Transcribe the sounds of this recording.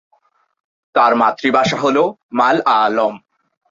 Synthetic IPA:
t̪aɾmat̪ːɾibaʃaɦolomalalom

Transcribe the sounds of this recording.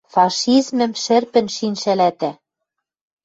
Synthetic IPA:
fɑʃizmɘ̆mʃɘ̆rpɘ̆nʃinʃælæt̪æ

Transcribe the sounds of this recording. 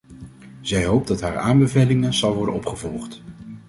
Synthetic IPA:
z̥ɛjɦowp̚dɑtɦaːɹaːmbəvejlɪŋənzɑlˠʋɔɹdənɔpχəvɔlˠχt

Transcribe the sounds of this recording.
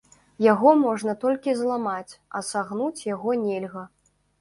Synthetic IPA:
jaɣɔmɔʐnɐt̪ɔlʲkʲizlˠamat͡sʲɐsaɣnut͡sʲjaɣɔnʲɛlʲɣɐ

